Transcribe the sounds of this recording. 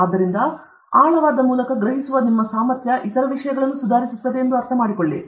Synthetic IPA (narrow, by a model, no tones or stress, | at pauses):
aːd̪ːɐɾind̪ɐ | aːɭɐʋaːd̪ɐmuːlɐkɐɡɾɐɦisuʋɐnimːɐsaːmɐɾt̪jɐʔit̪ɐɾɐʋiʂɐjɐɡɐɭɐnːusud̪ʱaːɾisut̪ːɐd̪eend̪uɐɾt̪ʰɐmaːɽikoɭːḭ